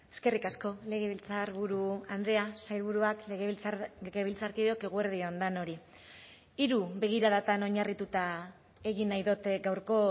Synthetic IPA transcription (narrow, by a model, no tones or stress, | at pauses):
e̞̥ske̞rikasko̞le̞ɣeβilt͡saɾβuɾuand̪e̞asajlβuɾuakleɣeɣe̞βilt͡saɾkio̞ke̞ɣueɾðiond̪ano̞ɾi | iɾuβe̞ɣ̞iɾaðat̪ano̞ɲarit̪ut̪a | e̞ɣinːajðot̪ɡawɾko̞